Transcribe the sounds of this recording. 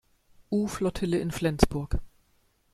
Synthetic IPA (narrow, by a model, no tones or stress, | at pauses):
ʔuːflɔtʰɪləɪnflɛnt͡sb̥ʊɐk